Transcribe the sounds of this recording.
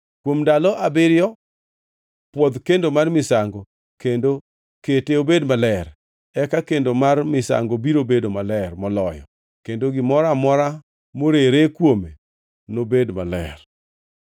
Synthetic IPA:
kwomdalɔʔabɪɾjɔ | pwɔd̪kendomarmɪsaŋɡɔ | kendo | keteobedmalɛr | ɛkakendomarmɪsa̰ŋɡobiɾobedomalɛrmɔlɔjɔ̰ | kendoɡɪmɔɾamɔɾa | moɾeɾekwome | nobedma̰lɛ̰r

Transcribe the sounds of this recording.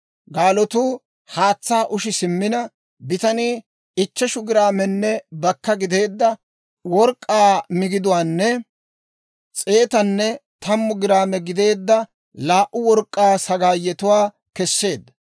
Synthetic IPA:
ɡaːlɔt̪uː | haːt͡sːaːʔʊʃɪsɪmːɪnɐ | bɪt̪ɐniː | ɪt͡ʃːɛʃʊɡɪɾaːmɛnːɛbɐkːɐɡɪd̪e̞ːd̪ːɐ | wɔɾkʼːaːmɪɡɪd̪ʊwaːnːɛ | t͡sʼe̞ːt̪ɐnːɛt̪ɐmːʊɡɪɾaːmɛɡɪd̪e̞ːd̪ːɐ | laːʔʊwɔɾkʼːaːsɐɡaːjːɛt̪ʊwaː | kɛsːe̞ːd̪ːɐ

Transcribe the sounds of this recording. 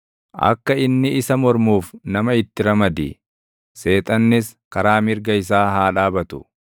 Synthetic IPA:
ʔɐ̰kːɐɪnːɪɪsɐmɔɾmuːfnɐmɐɪt̪ːɪɾɐmɐd̪ɪ̰ | se̞ːt̪ʼɐnːɪskɐɾaːmɪɾɡɐɪs̬aːɦaːᶑaːbɐt̪ʊ̥

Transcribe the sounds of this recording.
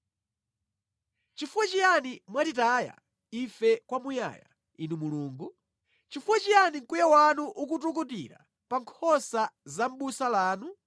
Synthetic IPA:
t͡ʃifuwat͡ʃijanimwatitaːja̰ | ifɛkwamuja̰ːja̰ | inumuluːŋɡu | t͡ʃifuwat͡ʃijaniŋ̩kujawanuʔukutukutḭɾa̰ | paŋkʰɔsazam̩ɓusalaːnu

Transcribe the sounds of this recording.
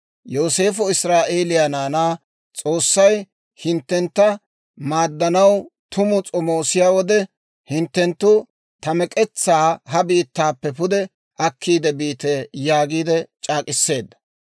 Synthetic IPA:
joːse̞ːfɔɪsɾaːʔeːlɪjanaːnaː | t͡sʼo̞ːsːɐj | hɪnt̪ːɛnt̪ːɐ | maːd̪ːɐnɐwt̪ʊmʊt͡sʼɔmoːsɪjaːwɔd̪ɛ | hɪnt̪ːɛnt̪ːʊ | t̪ɐmɛkʼɛt͡sːaːɦɐbiːt̪ːaːpːɛpʊd̪ɛ | ʔɐkʰːiːd̪ɛbiːt̪ejaːɡiːd̪ɛt͡ʃʼaːkʼɪsːe̞ːd̪ːɐ̥

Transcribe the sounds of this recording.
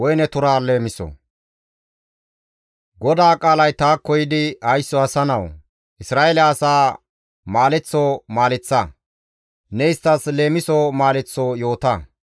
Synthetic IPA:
wɔjnɛt̪ʊɾaːle̞ːmɪsɔ̰ | ɡɔd̪aːkʼaːlɐjt̪aːkːɔjɪd̪ɪɐjsːɔɐsɐnɐw | ʔɪsɾaːelɛːsaː | maːlɛt͡sːoːmaːlɛt͡sːɐ | nɛɪst̪ːɐsle̞ːmɪsoːmaːlɛt͡sːoːjo̞ːt̪ɐ

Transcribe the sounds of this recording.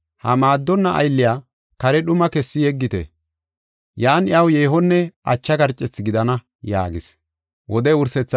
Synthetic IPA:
hɐmaːd̪ːɔnːɐʔɐ̰jlːɪjaː | kɐɾɛɗʊmɐkɛsːɪjɛɡːɪt̪ɛ̰ | jaːnɪjɐwjeːɦɔnːɛʔɐ̰t͡ʃːɐɡɐɾt͡ʃʼːɛt͡sːɪɡɪd̪ɐnɐ | ja̰ːɡɪs | wʔɔd̪ɛʊɾsɛt͡sː

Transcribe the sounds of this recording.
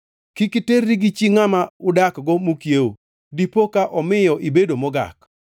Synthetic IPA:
kikiterːiɡɪt͡ʃiŋamaʊdakɡɔmukjeo | dipokaʔɔmɪjɔʔɪbedomɔɡa̰k

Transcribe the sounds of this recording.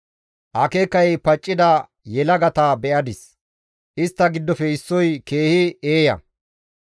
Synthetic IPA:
ʔɐkeːkːɐjpɐt͡ʃʼːɪd̪ɐ | jɛlɐɡɐt̪abɛʔɐd̪ɪs | ʔɪst̪ːɐɡɪd̪ːɔfɛɪsːɔjke̞ːhɪeːjɐ̰

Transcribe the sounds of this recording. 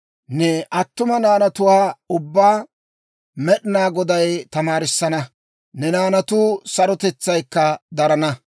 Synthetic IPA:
nɛʔɐt̪ːʊmɐnaːnɐt̪ʊwaːʊbːaː | mɛɗɪnaːɡɔd̪ɐjt̪ɐmaːɾɪsːɐnɐ | nɛnaːnɐt̪ʊːsɐɾɔt̪ɛt͡sːɐjkːɐd̪ɐɾɐnɐ

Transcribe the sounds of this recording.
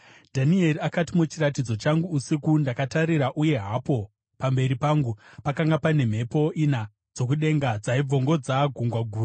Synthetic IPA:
dʱanie̞riakatimut͡ʃirat̬id͡zo̞t͡ʃaŋɡuːsikundakataɾiɾaʔuje̞ɦapo̞ | pambe̞ɾipaːŋɡupakaŋɡapane̞m̤e̞po̞ina | d͡zo̞k̬uɗe̞ŋɡad͡zaib͡vo̞ŋɡo̞d͡zaɡʱuŋɡwaɡʱuːra

